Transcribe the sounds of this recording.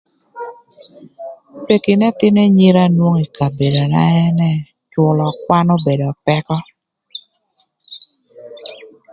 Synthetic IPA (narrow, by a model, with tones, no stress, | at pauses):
pe˨kɪ˨nɛ˦t̪ɪ˦nɛ˦ɲi˦ɾa˦nwo˦ŋi˨ka˨be˨do˨na̰˦ɛ˦nɛ˦ | t͡ʃwʊ˨lɔ˨kwa˦no˦be˨dɔ˨pɛ˦kɔ˦